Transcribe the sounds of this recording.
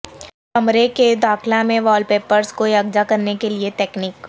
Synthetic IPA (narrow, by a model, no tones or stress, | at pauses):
kɐmɾeked̪aːxlãmẽʋɔːlpeːpəɾzkojɐɡd͡ʒakɐɾnekeliet̪ɛːkniːk